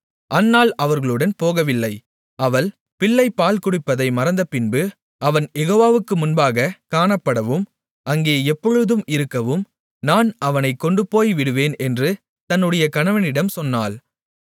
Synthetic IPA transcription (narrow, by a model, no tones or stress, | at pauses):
ʔɐnːaːlɐʋɐɾɣɐɭɯɽɐnpoːɣɐʋɪlːɐɪ | ɐʋɐɭ | pɪɭːɐɪpːaːlkʊɽɪpːɐðɐɪmɐɾɐnd̪ɐpɪnbɯ | ʔɐʋɐnjɛɣoːʋaːʋɯkːɯmʊnbaːɣɐkaːɳɐpːɐɽɐʋɯm | ʔɐŋɡeːɛpːɔɻɯðɯmɪɾɯkːɐʋɯm | naːnɐʋɐnɐɪkːɔɳɖɯpoːjʋɪɽɯʋeːnɛndrɯ | t̪ɐnːɯɽɐjɐkɐɳɐʋɐnɪɽɐmsɔnːaːl